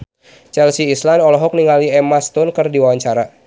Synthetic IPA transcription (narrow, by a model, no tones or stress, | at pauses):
t͡ʃɛlsiːslanɔlɔɦɔk̚niŋaliɛmast̪ʊnkɨrdiwawaɲt͡ʃaɾa